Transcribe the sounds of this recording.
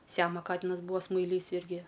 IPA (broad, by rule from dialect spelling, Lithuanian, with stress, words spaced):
ˈsʲæːmoː ˈkɑːtʲɪnɐs ˈbuːʋɐ smɐɪˈlʲiːs ˈɪrʲɡʲɪ